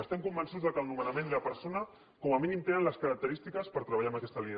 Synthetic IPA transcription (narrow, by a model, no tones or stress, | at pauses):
əst̪ɛmkumbənsuzðəkəlˠnumənamẽnielapəɾsonə | kɔmaminimt̪enənləskəɾɐk̚t̪əɾist̪ikəspəɾt̪ɾəβaʎamakɛst̪əli